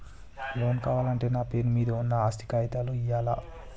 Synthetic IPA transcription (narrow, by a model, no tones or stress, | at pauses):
lo̞ːnkaːʋaːlɐɳʈe̞ːnaːpe̞ːnumiːd̪ɐunːɐaːst̪i̥kaːjit̪aːluijaːla̰ː